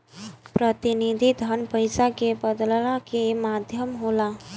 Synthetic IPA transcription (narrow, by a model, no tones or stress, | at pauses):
pɾət̪ɪnid̪ʱid̪ʱənpəjsakebəd̪ləlakemaːd̪ʱjəmɦoːlaː